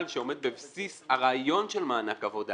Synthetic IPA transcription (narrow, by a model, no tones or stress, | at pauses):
lʃeo̞med̪̚bebsishaʁaːjo̞nʃelmaːnakavod̪a